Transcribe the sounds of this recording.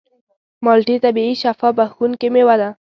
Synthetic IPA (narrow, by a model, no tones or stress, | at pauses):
mɑlʈit̪abiiʃafɑbaxunkemewad̪a